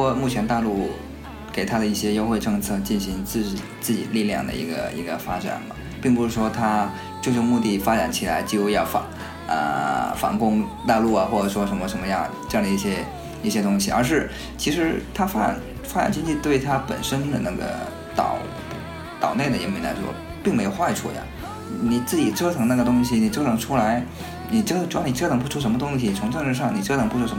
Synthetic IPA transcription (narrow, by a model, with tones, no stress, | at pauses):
ɔ˥mu˥˩t͡ɕʰjɛ˧˥nt̪a˥˧lu˥˩ | ke˨˩ɪt̪ʰa˥d̪ə˨˧i˥˩ɕjɛ˥jo˥ʊxwe˥˧ɪʈ͡ʂɤ˥˧ŋt͡sʰɤ˥˧t͡ɕi˥˩nɕi˧˥ŋt͡sɹ̩˥˩t͡ɕt͡sɹ̩˥˩t͡ɕḭ˨˩li˥˧ljɑ̰˥˩ŋd̪ə̰˩ḭ˧˥ɡə̰˧ḭ˧˥ɡə˧fa˥ʈ͡ʂa̰˨˩nmɐ̰˦ | pi˥˩ŋpu˧˥ʂɻ̩˥˩ʂwɔ˥t̪ʰa˥ | t͡ɕjo˥˧ʊjʊ˥˧ŋmu˥˧t̪i˥˩fa˥ʈ͡ʂa̰˨˩˥nt͡ɕʰi˨˩la˧˥ɪt͡ɕjo˥˧ʊjɑ˥˩ʊfa˧˥ | ə̰˧˩fɑ̰˧˥ŋkʊ˥ŋt̪a˥˧lu˥˩ɐ˩xwɔ˥˩ʈ͡ʂə˨˩ʂwɔ˥ʂə˧˥nmə˧ʂə˧˥nmə˧jɑ˥˩ŋʈ͡ʂe˥˧ɑ˥˩ŋd̪ə˧i˥˩ɕjɛ˥ | i˥˩ɕjɛ˥t̪ʊ˥ŋɕi˨˩ə̰˞˧˥ʂ̬ɻ̩˥˩ | t͡ɕʰi˧˥ʂɻ̩˧˥t̪ʰa˥fa˥ʈ͡ʂn | fa˥ʈ͡ʂa̰˨˩nt͡ɕi˥nt͡ɕi˥˧t̪we˥˩ɪt̪ʰa˥pə̰˨˩nʂə˥nd̪ə˨na˥˩ɡə̰˩ | t̪ɑ̰˨˩˦ʊ | t̪ɑ˨˩ʊne˥˩ɪd̪ə˩jɛ̰˧˥nmi˧˥nla̰˧˥ɪʂwɔ̰˥ | pi˥˩ŋme˧˥ɪjo˨˩xwa˥˧ɪʈ͡ʂʰṵ˥˩ja̰˩ | ni˨˩t͡sɹ̩˥˩t͡ɕi˨˩ʈ͡ʂʰɤ˥t͡sʰɤ˧˥ŋna˥˩ɡə˩t̪ʊ˥ŋɕ̬i˨˩ni˨˩ʈ͡ʂɤ˥t͡sʰɤ˧˥ŋʈ͡ʂʰu˥la˧˥ɪ | ni˨˩ʈ͡ʂə˥˧ʈ͡ʂʊ˥˩ni˨˩ʈ͡ʂʰt̪ʰɤ˧˥ŋpu˧˥ʈ͡ʂʰu˥˩ʂ̬ə˧˥mə˧t̪ʊ˥ŋɕ̬i˩t͡sʰʊ˧˥ŋʈ͡ʂɤ˥˧ŋʈ͡ʂɻ̩˥˧ʂɑ˥˩ŋni˨˩ʈ͡ʂʰɤ˥t͡sʰpu˧˥ʈ͡ʂʰu˥˩ʂə˧˥